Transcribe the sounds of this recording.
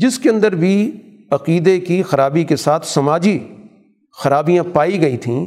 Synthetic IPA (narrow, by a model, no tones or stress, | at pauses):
d͡ʒɪskeɐ̃nd̪əɾbʱi | ɐqiːd̪ekixɐɾaːbikesaːt̪ʰsɐmaːd͡ʒi | xɐɾaːbijãpaːiɡɐit̪ʰĩː